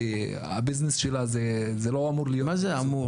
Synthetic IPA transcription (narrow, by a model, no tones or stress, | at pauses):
a̰biznesʃelaze | zeloamuʁlijomazeamu